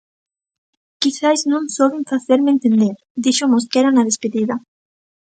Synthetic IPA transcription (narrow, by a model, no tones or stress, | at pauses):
kiθajznõŋsoβiɱfaθeɾmẽnt̪end̪eɾ | d̪iʃomoskɛɾanað̞espeðiða